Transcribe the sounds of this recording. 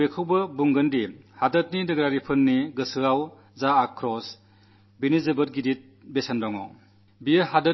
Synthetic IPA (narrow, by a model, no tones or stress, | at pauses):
ekʰɯwbɐbuŋɡɐndihadɐt̚nidɐɡɾaɾipʰɯnːiɡɯsɯaw | zaːkʰːɾɔs | binizebɯt̚ɡidit̚ | besandɔŋɔ | bijəɦadɐ